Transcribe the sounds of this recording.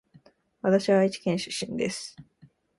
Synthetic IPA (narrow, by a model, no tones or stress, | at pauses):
βat̪aɕiβait͡ɕi̥kẽñɕi̥ɕĩnd̪esɨ̥